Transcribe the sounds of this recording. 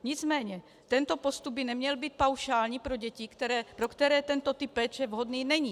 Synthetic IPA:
ɲɪt͡smɛːɲɛ | t̪ɛnt̪o̞po̞st̪ub̚bɪnɛmɲɛlbiːt̪̚pawʃaːlɲiːpɾoɟɛcikt̪ɛɾɛːpɾokt̪ɛɾɛːt̪ɛnt̪ot̪ɪpːɛːt͡ʃɛvɦod̪niːnɛɲiː

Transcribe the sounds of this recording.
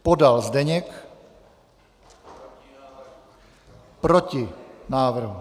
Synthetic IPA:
pɔd̪alzd̪ɛɲɛk | pɾɔcinaːʋr̩ɦu

